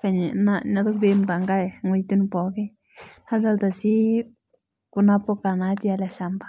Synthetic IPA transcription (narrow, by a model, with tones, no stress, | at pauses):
fe˧˨ni˨na˧na˧d̪u˦kbi˧mba˨ŋɡa˦jŋi˧jt̪u˦n˧po˨ɡi˦ | ha˦ld̪a˧ld̪a˨si˦ | ku˧na˧po˦˧ka˧˨na˧˦t̪ja˧la˧ʃa˧mba˨˧